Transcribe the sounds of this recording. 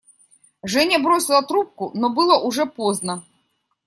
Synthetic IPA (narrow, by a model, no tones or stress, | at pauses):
ʐɛnʲɐbɾɔsʲilˠɐt̪ɾup̚kunɔbɨlˠɐʔuʐɛpɔznɐ